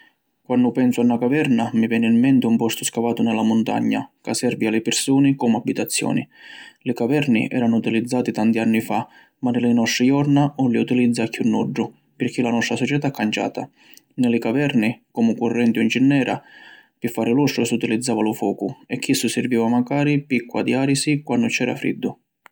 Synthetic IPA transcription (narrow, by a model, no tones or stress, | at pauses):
kwanːʊpɛnsʊanːakavɛɾnamivjɛːnɪimːɛnt̪ɪumpɔst̪ʊskavaːt̪ʊnɛlamʊnt̪a̰ɲːa̰kasːɛrvialɪpɪrsuːnɪkɔmabːit̪at̪sːjɔ̰ːnḭlɪkavɛrnḭʔɛ̰ːɾanʊut̪ilid̪zːaːt̪it̪ant̪ianːifa | manːɪlɪnɔst̪ɾijɔrnaɔlːiut̪ilid̪zːakʰːunːɔɖːʊ | pɪrk̟ilanɔst̪ɾasɔt͡ʃɛt̪akːant͡ʃa̰ːt̪a | nɪlɪkavɛrnikɔmʊkurːɛnt̪iʊind͡ʒinːɛːɾa̰pɪfːaːɾɪlɔst̪ɾʊsiut̪ilid̪zːaːvalʊfɔːkʊɛkːisːʊsɪrviːvamakaːɾipikːʊa̰d̪iaːɾisikwanːʊt͡ʃɛːɾa̰fɾḭd̪ːʊ